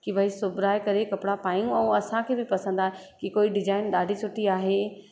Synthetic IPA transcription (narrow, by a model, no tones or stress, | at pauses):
kɪʋɐisʊbɪɾaːekɐɾekɐpɽapaːijũɛ̃ːɐsãkʰeːbɪpɐsə̃nd̪aːɦekikoːiɖɪd͡ʑaːɪnɗaːɖʱisʰʊʈiaːɦeː